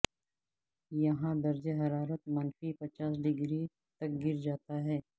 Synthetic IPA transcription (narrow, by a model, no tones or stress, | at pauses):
jɐɦãd̪ɐɾd͡ʒeɦɐɾaːɾət̪̚mɐnfipɐt͡ʃaːsɖɪɡɾi | t̪ɐk̚ɡɪɾd͡ʒaːt̪aɦɛː